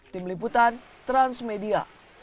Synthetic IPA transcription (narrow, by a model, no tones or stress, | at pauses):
t̪imlip̬ut̪an | t̪ɾansmedia̰